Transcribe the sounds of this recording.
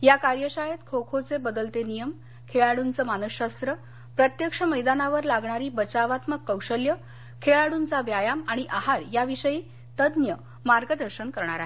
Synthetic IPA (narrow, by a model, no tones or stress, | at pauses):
jakaɾjəɕajet̪kʰokʰot͡sebəd̪əlt̪enijəm | kʰeɭaɽunt͡səmanəɕast̪ɾə | pɾət̪jəkʂəməjd̪anaʋəɾlaɡɳaɾiːbət͡ɕaʋat̪məkːəwɕəljə | kʰeɭaɽunt͡saʋjajamaɽ̃iʔaɦaɾjaʋiɕəjiː | t̪əd̪njə | maɾɡəd̪əɾɕənkəɾɳaɾaɦe